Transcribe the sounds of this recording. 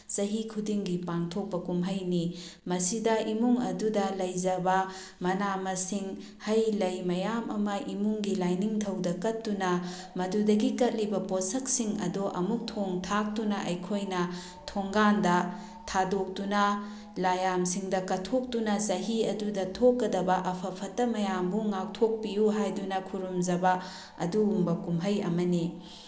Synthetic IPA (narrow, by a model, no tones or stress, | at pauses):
sɐɦikʰudiŋɡipaŋtʰok̚pɐkumɦɐjnimɐsidɐimuŋɐdudɐlɐjd͡ʒɐbɐ | mɐnamɐsiŋ | hɐjlɐjmɐjamɐmɐʔimuŋɡilajniŋtʰɐwdɐkɐtːunɐ | mɐdudɐɡikɐt̚libɐposɐk̚siŋɐ̰doʔɐmuk̚tʰoŋtʰak̚tunɐʔɐjkʰojnɐ | tʰoŋɡandɐ | tʰadok̚tunɐ | lajamsiŋdɐkɐtʰok̚tunɐsɐɦiɐdudɐtʰokːɐdɐbɐʔɐpʰɐpʰɐtːɐmɐjambuŋak̚tʰok̚pijuɦajdunɐkʰuɾumzɐbɐ | ɐ̰duːmbɐkumɦɐjɐ̰mɐni